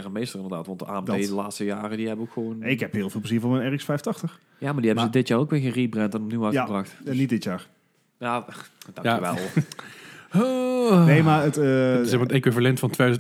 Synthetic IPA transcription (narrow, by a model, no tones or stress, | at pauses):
ɛʁəmejstərɪndəʁdaːtʋɑntdəʔaːɛmdejdəlaːtstəjaːrədiɦɛbənokxəʋonɪkhɛpɦɪːlˠvɪːlˠpləziːvɔɹmɛnɛːrɪksfɛjftɑxtəx | jaːmadiɦɛbənzədɪtjaːrokʋɪːɣeribrɛntɛnɔpniwaəbrɑxtnit̚dɪtjaːɹ | jaːd̥ɑəʋɛ̰lˠ | nejmaətsɛxmaətekwivalɛntfɑntʰʋeːdz